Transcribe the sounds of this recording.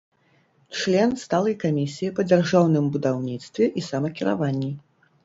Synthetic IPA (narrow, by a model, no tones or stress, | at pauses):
t͡ʂlʲɛnst̪alˠɐjkamʲisʲijipɐd͡zʲarʐawnɨmbud̪awnʲit̪st̪vʲɛʔisɐmɐkʲiɾa̰vanʲːi